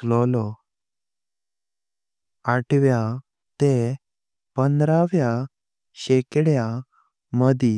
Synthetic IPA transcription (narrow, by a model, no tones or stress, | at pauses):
lɔlɔ | aʈʋja | t̪e | pənd̪ɾaʋja | ɕekɽja | məd̪ʱi